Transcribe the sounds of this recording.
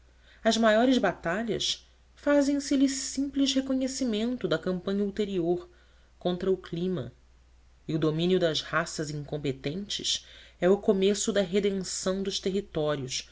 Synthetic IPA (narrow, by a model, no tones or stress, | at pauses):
ɐzmajɔɾɪzbat̪aʎɐ̰ʃ | fazẽj̃sɪlisĩmplɪzɦekoɲesimẽnt̪ʊd̪ɐkɐ̃mpɐ̃ɲɐuwt̪eɾioɾ | kõnt̪ɾɐʊklĩmɐ̰ | iʊd̪omĩniʊd̪ɐzhasɐzĩŋkõmpet̪ẽnt͡ʃɪ̰ʃɛʊkomesʊd̪ɐɦed̪ẽsɐ̃w̃d̪ʊʃt̪eɦit̪ɔɾijʊs